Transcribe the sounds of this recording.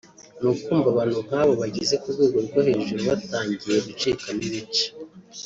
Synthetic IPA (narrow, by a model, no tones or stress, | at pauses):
nukuːmbaβan̥hum̥haːβo̞βaɟize̞kuβɡweːɡo̞ɾɡohe̞ːʒuɾuβataːɲɟije̞βut͡ʃiːkamiβit͡ʃi̥